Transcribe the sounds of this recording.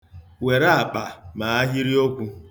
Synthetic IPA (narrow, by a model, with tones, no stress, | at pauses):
we˨ɾa˦a˨k͡pa˨ma˨a˦ɦi˦ɾi˦o˦kʷu˦